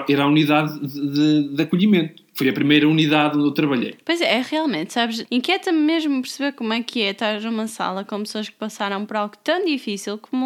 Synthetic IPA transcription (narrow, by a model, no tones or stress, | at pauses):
ɛɾauniðaððɨðɐkuʎimẽnt̪ufojɐpɾimejɾɐuniðaðõnd̪ewt̪ɾɐβɐʎḛjpojzɛɛʁialˠmẽnt̪saβʃẽkjɛt̪ɐmmeʒmupɨɾsɨβeɾkomwɛkʰɨɛt̪aɾznumɐsa̰lˠɐkõpsoɐʃkɨ̥pɐsaɾɐ̃w̃pɔɾalˠɣut̪ɐ̃w̃d̪ifisilˠkomu